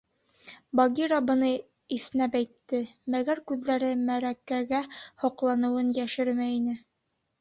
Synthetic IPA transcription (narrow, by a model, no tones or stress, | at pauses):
bɑɡʲiɾabɤ̆nɤ | isɘ̆næpæjt̪ːɘmæɡæɾkʉðːæɾɘmæɾækæɡæhŏqlˠɑnɤ̆wɤnjæʃɘɾmæinɘ